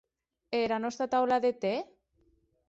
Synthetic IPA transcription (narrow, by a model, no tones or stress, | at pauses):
eɾanɔst̪ɾat̪awlaðet̪e